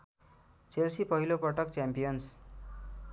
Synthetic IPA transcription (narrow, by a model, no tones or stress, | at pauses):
t͡selsipʌɦilopʌʈʌkt͡sjampijʌns